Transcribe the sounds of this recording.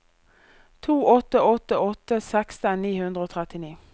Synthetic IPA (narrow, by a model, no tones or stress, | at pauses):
t̪ʰuːɔt̪əɔt̪əɔt̪əsɛkst̪əniːhʉnd̪ʁəoːt̪ʰʁɛt̪ɪniː